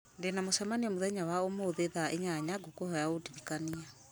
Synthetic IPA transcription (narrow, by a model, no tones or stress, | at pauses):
ndenamosɛmaniɔmuðɛɲawaomoðeðaʔeɲaɲaɡokohɔjaodiɾikania